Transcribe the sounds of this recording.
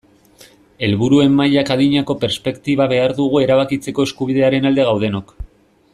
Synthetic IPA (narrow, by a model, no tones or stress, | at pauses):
e̞lβuɾue̞mːajakaðiɲako̞pe̞ɾspe̞kt̪iβaβe̞aɾðuɣ̞ue̞ɾaβ̞akit͡se̞ko̞e̞skuβiðe̞aɾe̞nald̪e̞ɣ̞awðe̞no̞k